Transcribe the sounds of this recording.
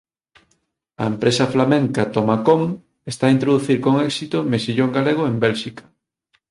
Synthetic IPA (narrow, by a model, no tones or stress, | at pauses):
ɐ̰empɾesɐflamẽŋkat̪omakoŋ | est̪aint̪ɾoðuθiɾkoŋɛksit̪omesiʎoŋɡaleɣ̞oembelʃikɐ̥